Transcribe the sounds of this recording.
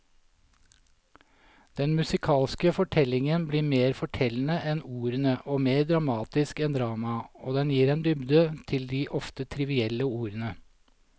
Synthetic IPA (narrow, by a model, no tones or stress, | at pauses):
d̪̥ɛnmʉsɪkʰɑːlskəfɔʈʰɛlɪŋənbliːmeːɾfɔʈʰɛln̩əʔɛnuːɾənəʔoːmeːɾd̪ɾɑmɑːt̪ɪskɛnd̪ɾɑːmɑoːd̪ɛnjiːɾeːnd̪ʏbd̪ət̪ʰɪld̪iːʔɔft̪ət̪ʰɾɪʋɪɛləuːɾənə